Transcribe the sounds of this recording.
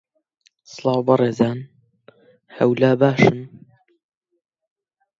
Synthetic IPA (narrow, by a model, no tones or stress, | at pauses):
slˠɑːwbɑreːzaːn | hɐwlaːbaːʃɨn